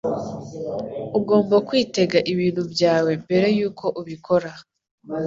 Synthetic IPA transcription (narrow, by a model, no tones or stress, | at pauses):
uɡo̞ːmbakwiːte̞ɡaʔiβiːn̥hubjaːwe̞mbe̞ɾe̞juːkʰo̞ʔuβikʰo̞ɾa